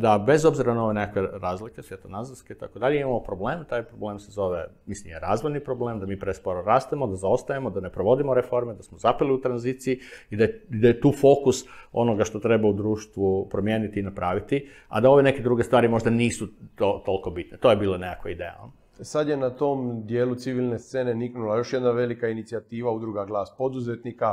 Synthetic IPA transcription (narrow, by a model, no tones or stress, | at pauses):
d̪abe̞zo̞bziɾanao̞ʋene̞kakʋe̞ɾaːzlikesʋjet̪onazaɾskeit̪akod̪aʎeimamo̞pɾo̞ble̞ːmt̪aːjpɾo̞ble̞ːmsezo̞ʋemislimjeɾaːzʋojnipɾo̞ble̞ːmd̪amiːpɾespoɾoɾaːst̪emo̞d̪azao̞st̪ajemod̪ane̞pɾoʋo̞d̪imoɾefo̞ɾmed̪asmozapeliut̪ɾanziːt̪sijiid̪ajed̪ajet̪uːfo̞kuso̞̰no̞ɡaʃt̪o̞t̪ɾe̞baud̪ɾuːʃt̪ʋupɾo̞mjeːnit̪iːnapɾaːʋit̪i | a̰d̪ao̞ʋe̞ne̞ke̞d̪ɾuɡest̪ʋaːɾimo̞ʒd̪aniːsut̪ot̪o̞lˠko̞bit̪net̪ojebiːlˠonekakʋaid̪ḛja̰lno | sad̪je̞nat̪o̞md̪jeːlut̪siʋilˠnest̪e̞ne̞niknulˠajo̞ʃjed̪naʋe̞likainit̪siat̪iːʋaud̪ɾuɡaɡlˠaːspo̞d̪uzet̪nika